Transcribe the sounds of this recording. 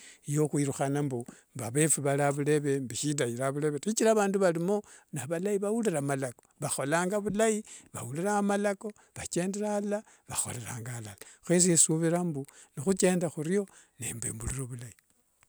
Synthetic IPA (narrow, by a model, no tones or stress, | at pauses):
jo̞xwiɾuxanambumbaβe̞fuβalaβule̞βe̞mbiʃidajiɾaβule̞βetit͡ʃiɾaβaːnduβalimo̞ | naβalaiβawuliɾamalakoβaxo̞laːŋɡaβulajiβa̰wuliɾamalako̞ | βat͡ʃe̞ːndeɾala | βaxo̞̰le̞ɾaːŋɡalalaxwes̬ijesuβiɾambunixut͡ʃe̞ːndaxuɾijo̞ | nḛmbḛmbuliɾoβulai